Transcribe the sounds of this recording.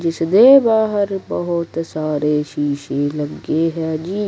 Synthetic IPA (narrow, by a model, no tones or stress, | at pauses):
d͡ʒɪsd̪eːbaːɦəɾbɐɦʊt̪saːɾeːʃiːʃelɐɡeːɦɛːd͡ʒiː